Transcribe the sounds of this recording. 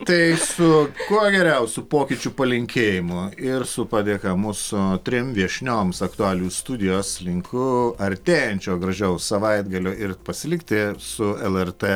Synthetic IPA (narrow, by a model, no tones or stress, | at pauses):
t̪ɐɪsʊkuɔɡʲɛɾʲɛʊsʲuːpoːkʲɪt͡ʃʲʊpɐlʲɪŋʲkʲeːjɪmʊɪɾsʊpɑd̪ʲeːkɐmusʊt̪ʲɾʲɪmʋʲiɛʃʲnʲoːmsɐkt̪ʊɑːlʲuːst̪ud̪ʲɪjoːslʲɪŋkʰʊɐɾʲt̪ʲeːjɛnʲt͡ʃʲoːɡɾɐʒʲɛʊsɐʋɐɪd̪ɡɐlʲoːɪɾpɐsʲɪlʲɪkt̪ʲɪsʊɛlˠɛrt̪ɛ